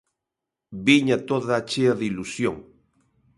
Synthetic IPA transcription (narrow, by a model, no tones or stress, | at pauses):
biɲat̪oðaːt͡ʃeaðilusjoŋ